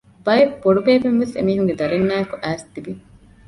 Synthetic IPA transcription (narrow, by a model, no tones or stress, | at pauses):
b̥ɐjefboɖubeːbemʋesḛmiːɦuŋɡed̪ɐɾenmæːekuʔæːst̪ibi